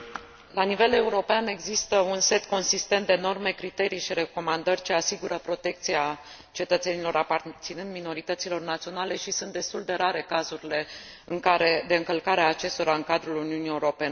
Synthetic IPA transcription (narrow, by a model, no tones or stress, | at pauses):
lanive̞le̞uɾo̞peane̞ɡzist̪əunse̞t̪ko̞nsist̪ent̪d̪eːno̞rme̞kɾit̪e̞ɾijʃiɾe̞ko̞mand̪ərʲt͡ʃe̞asiɡuɾəpɾo̞t̪e̞k̚t̪sia | t͡ʃe̞t̪ət̪se̞nilo̞ɾapart̪sinɨnd̪mino̞ɾit̪ət̪silo̞rnat̪sio̞nale̞ʃisunt̪̚d̪e̞st̪uld̪e̞ɾaɾe̞kazuɾile̞ | ɨŋkaɾe̞d̪e̞ɨŋkəlkaɾeaːt͡ʃe̞st̪o̞ɾaɨŋkad̪ɾuluniunie̞uɾo̞pe̞ne